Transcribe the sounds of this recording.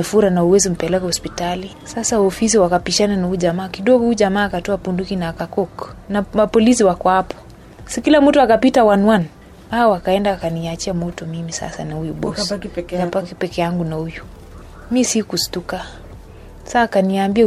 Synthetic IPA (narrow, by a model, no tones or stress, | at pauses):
ɛfuɾanauwɛzim̩pɛlɛkɛhɔspitali | sasaɔfis̬iwakapiʃananahuʄamaːkiɗɔɡɔhuʄamaːkatɔapundukinaːkakɔknamapɔlisiwakɔapɔ̥ | sikilamutɔakapitawanwan | aɔwakaɛndaːkaniat͡ʃiamɔtɔmimisa̰sa̰nahujuɓɔ̰sapakɛpɛkɛjaŋɡunahuju | misikustuka | saːkaniambia